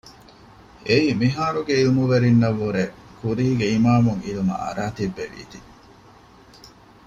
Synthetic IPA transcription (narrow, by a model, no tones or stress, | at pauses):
eiːmiɦaːɾuɡeilumuʋeɾinːɐʋːuɾekuɾiːɡeimaːmuŋilumɐ̰ɐ̰ɾaːt̪ibːeʋḭːt̪i